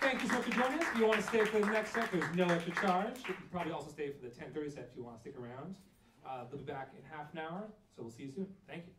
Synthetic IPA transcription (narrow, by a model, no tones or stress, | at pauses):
θæ̃ŋkjɨsoʊmʌt͡ʃfə˞d͡ʒɔɪ̃ŋʌsjɨwɑ̃ñɨsteɪfə˞ðɨnɛkssɛ̃k̚ðə˞znoʊɛkʃə˞t͡ʃʰɑɹd͡ʒɨn̩pʰɹ̥ɑbəbliɔlˠsoʊsteɪfə˞ðɨtʰɛ̃nθɜ˞isɛfjɨwɑ̰̃nəstɪkə˞ãʊ̃nd̥ | lʊbibækɨ̰̃nhæfənaʊə˞soʊwilˠsisʉ̃nθæ̃ŋkjʉ